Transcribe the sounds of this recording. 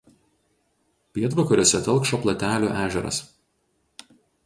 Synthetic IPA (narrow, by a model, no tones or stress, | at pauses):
pʲiɛt̪ʋɐkɔɾʲoːsʲɛt̪ɐlˠkʃoːplˠɐt̪ʲæːlʲuːʔæːʒʲɛɾɐ̰s